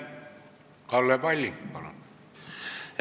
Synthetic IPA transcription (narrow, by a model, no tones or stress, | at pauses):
kɑlːeːˑpɑlʲːipɑ̰lɑ̰n